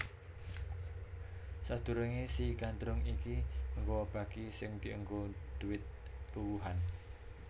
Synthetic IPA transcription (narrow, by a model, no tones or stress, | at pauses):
sad̪̥ṳɾəŋesiɡand̪ɾʊŋikiəŋɡob̥a̤kisɪŋd̪̥i̤əŋɡod̪̥uɪt̪̚puwuɦan